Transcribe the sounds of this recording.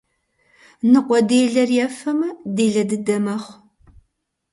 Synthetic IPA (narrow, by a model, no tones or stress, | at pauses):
nɨqʷɔdeːɮɐrjɛfɐmɐdeːɮɐdɨdɐmɐχʷ